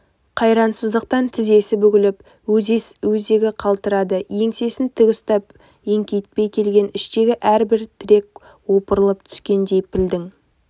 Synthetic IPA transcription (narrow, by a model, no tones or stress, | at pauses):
qʰɑjɾɑnsəzd̪əq̚t̪ɑnt̪ʰɪze̞sɪbʏɡʲɪlɪp | ɵzwɵze̞ɡʲɪqʰɑlˠt̪əɾɑd̪əje̞ŋse̞sɪnt̪ʰɪɡʲʊst̪ɑp | e̞ŋkʲe̞jɪt̪̚pe̞jkʲʰe̞lɡʲe̞nɪʃt̪e̞ɡʲɪʔæɾbɪɾt̪ʰɪɾe̞k̚ | wo̞pəɾəlˠəp̚t̪ʰʏ̥skʲe̞nd̪e̞jpʰɪld̪ɪŋ